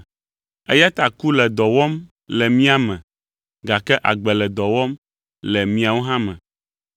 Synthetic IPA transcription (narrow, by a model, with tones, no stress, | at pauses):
e˦ja˦t̪a˨ku˦lɛ˨d̪ɔ˨wɔ˦m | lɛ˨mĩ˦a˦mɛ̃˨ | ɡa˨kɛ˦ʔa̰˨ɡ͡bɛ˨lɛ˨d̪ɔ˨wɔ˦m | lɛ˨mĩ˦a˨wo˦ɦã˦mɛ̰̃˨